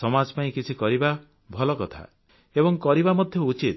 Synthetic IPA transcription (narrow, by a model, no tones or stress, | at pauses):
sɔmad͡ʒɔpaĩkit͡ʃʰikɔɾiba | bʱɔlɔkɔt̪ʰa̰ | ebɔŋkɔɾibamɔd̪ʱjɔut͡ʃit̪̚